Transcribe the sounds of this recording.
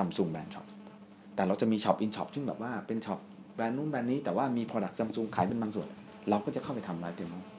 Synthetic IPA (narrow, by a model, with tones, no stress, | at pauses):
sa˧msu˧ŋbɛː˧nt͡ɕʰɔ̰˨˦˩p̚ | t̪ɛː˨˩ɾa˧wt͡ɕa˨˩ʔmiː˧t͡ɕʰɔ̰˨˩p̚ʔi˧nt͡ɕʰɔ̰˨˩p̚sʰɯ˥˩ŋbɛː˨˩p̚waː˥˩pe˧nt͡ɕʰɔ˨˩p̚ | bɛː˧nːuː˥˩nbɛː˧nːiː˦˥t̪ɛː˨˩waː˥˩miː˧pʰɔː˧da˨˩k̚sa˧msu˧ŋkʰaː˩˦jp̬e˧nbaː˧ŋsu˨˩ənʔa˧ | ɾa˧wkɔː˥˩t͡ɕa˨˩kʰwpa˧jt̪ʰa˧mɾaː˦˥j̚t̪ʰeː˧mɔ˥˩